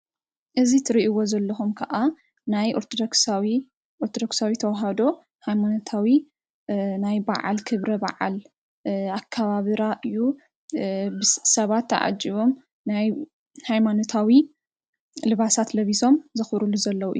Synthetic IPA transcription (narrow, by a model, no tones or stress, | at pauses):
ʔɨzit̪ʰɨɾiʔiwo̞zɐlːɐxumkʰɐʔa | najʔoɾt̪ʰod̪oksawi | ʔoɾt̪ʰod̪o̞ksawit̪ʰɐwaɦad̪o̞ | hajmanot̪ʰawi | najba̰ʕa̰lkʰɨβɾɐba̰ʕa̰l | akʰːaβaβɨɾaʔɨjːu | bɨsɐβat̪ːɐ̰ʕa̰d͡ʒiβo̞m | naj | hajmanot̪ʰawi | lɨβasat̪lɐβiso̞mzɨxɾuluzɐlːɐwuʔj